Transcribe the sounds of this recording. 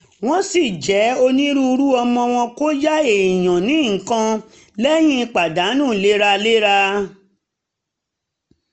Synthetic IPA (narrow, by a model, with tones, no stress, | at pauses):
w̃ɔ̃˦si˦˨d͡ʒɛ˨˦o˧nĩ˦ɾu˦˧ɾu˦ɔ˧mɔ̃˧w̃ɔ̃˧ko˦d͡ʒa˦e˨i˨j̃ã˨nĩ˨˦ŋ̩˨kã˧ | lɛ˦j̃ĩ˦˧˦k͡pa˨da˨˦nũ˦˨le˦ɾa˧le˦ɾa˧